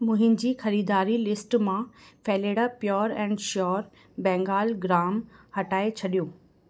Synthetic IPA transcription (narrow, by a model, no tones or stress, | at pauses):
mʊ̃ɦɪ̃nd͡ʑiːxɐɾiːd̪aːɾilɪsʈmãfɛːleːɽapjɔːɾɛ̃ːɳɖʃɔːɾ | bɛ̃ːŋɡaːlɡɾaːmhɐʈaːet͡ɕʰɐɗijõː